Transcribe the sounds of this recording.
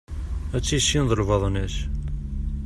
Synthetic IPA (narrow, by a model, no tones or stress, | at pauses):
æt͡sːiʃinðˤəlvɑðˤnæʃ